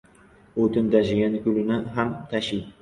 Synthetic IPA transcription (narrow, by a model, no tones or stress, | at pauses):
ot̪ʰɪnt̪ʰaʃɪɡʲankʲʊlɪnɪɦamt̪ʰaʃɪj